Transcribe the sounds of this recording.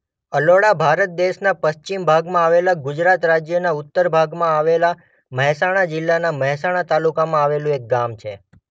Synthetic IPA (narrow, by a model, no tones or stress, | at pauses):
əloɽabʱaɾət̪̚d̪eʃnapəst͡ʃimbʱaɡmãaʋelaɡʊd͡ʒɾat̪ɾad͡ʒjənaʊt̪ːəɾbʱaɡmãaʋela | məɦɛsaɽ̃ad͡ʒɪlːanaməɦsaɽ̃at̪alukamãaʋelũek̚ɡamt͡ʃʰe